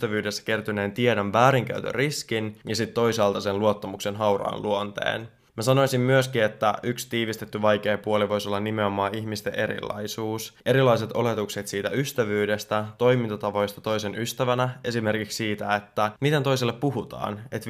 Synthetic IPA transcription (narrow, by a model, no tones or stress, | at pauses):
t̪æʋyːde̞sːæ̥ke̞rt̪yneːnt̪iedonʋæːɾiŋk̟æ̰yt̪ø̰riskinjɑsit̪t̪ːo̞isɑːlt̪ɑsenluo̞t̪ːɑmukse̞nɦɑwrɑ̰ːnlʔuont̪ḛːn | mæsɑno̞jsimːyøskie̞t̪ːæykst̪iːʋist̪e̞t̪ːyʋɑjke̞ːpuoliʋo̞jso̞lːɑnːimeomɑːiçmist̪eʔe̞ɾḭlːɑ̰jsuːse̞ɾilːˑɑjs̬e̞t̪o̞le̞t̪ukset̪siːt̪æyst̪æʋyːde̞st̪æt̪o̞jmint̪ɑt̪ɑʋo̞jst̪ɑt̪o̞jse̞nyst̪æʋænæʔe̞sime̞rkikssiːt̪æe̞t̪ːæmit̪ent̪ojselːepːuɦut̪ɑ̰ːne̞t̪